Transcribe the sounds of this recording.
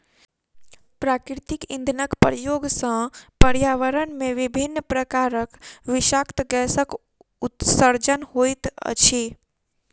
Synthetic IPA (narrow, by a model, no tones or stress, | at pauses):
pɾakɾit̪ikĩnd̪ʱnəkpɾjoɡsə̃pəɾjaʋəɾənmeʋibʱinːpɾəkaɾəkʋiʃakt̪ɡɛsək | ut̪səɾd͡ʒənhojt̪ə̰t͡ʃʰi